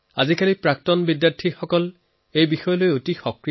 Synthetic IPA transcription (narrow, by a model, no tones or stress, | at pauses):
azikalipɹak̚tɔnbidjaɹtʰixɔkɔl | ejbixɔjɔlojotixɔkɹi